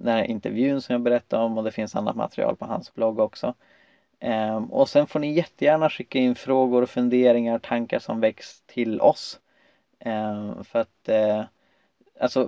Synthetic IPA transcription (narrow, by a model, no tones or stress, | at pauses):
d̪ːɾʔɪ̰nt̪ɛɾvjʉ̟ːnsɔmjaːɡbɛɾɛt̪ʰːaɾɔmɔd̪ɛfɪnsa̰nːa̰t̪ma̰t̪ɾɪ̰ɑ̰ːlpʰɔɦa̰nsblɔɡːɔksɔ | ɔ̰sɛnfoːɳɪjɛt̪ːəjæːɳaɧɪkːaɪnːfɾoːɡʊɾɔfɵnd̪eːɾɪŋaɾt̪ʰaŋkaʂɔmvɛkst̪ʰɪlɔs | fœɾat̪ | alsɔ